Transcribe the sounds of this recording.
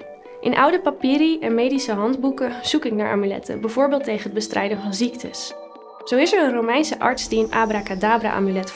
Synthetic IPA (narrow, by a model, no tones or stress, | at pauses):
ʔɪnʔʌwdəpapiːɾiɛnmejdisəɦɑndbukəz̥ukɪknaːɹʔa̰ːmylɛ̰tʰə̰bɛvʊːɹbɪːlˠtejχənɦəd̚bəstrʔɛjdənvɑnziktʰə̰s | z̥owɪsəɹənrowmɛjnsəʔɑ̰ɹtsd̥iɪnaːbrakadaːbra̰ʔa̰ːmylɛt